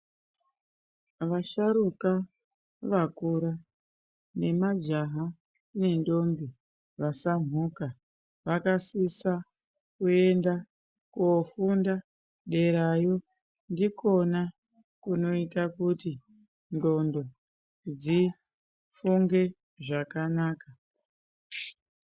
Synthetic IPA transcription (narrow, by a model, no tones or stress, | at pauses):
ʋaʃaɾuka | ʋakuɾa | ne̞mad͡ʒaɦa | ne̞ndo̞mbi | ʋasam̤uka | ʋakasisa | kue̞nda | kofunda | ɗe̞ɾajo | ndiko̞na | kuno̞itakuti | ndo̞ndo̞ | d͡zi | fuŋɡe̞ | ʐakanaːka